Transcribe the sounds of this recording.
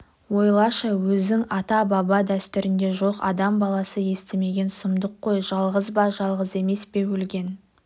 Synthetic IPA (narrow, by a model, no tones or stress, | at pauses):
wo̞jlˠɑʃəwɵzd̪ɪŋɑt̪ɑbɑbɑd̪æst̪ʏɾɪnd̪e̞ʒo̞qɑ̰d̪ɑmbɑlˠɑsəje̞st̪ɪme̞ɡʲe̞nsəmd̪əqːo̞jʒɑlˠʁəzbɑʒɑlˠʁəze̞me̞spe̞wɵlɡʲe̞n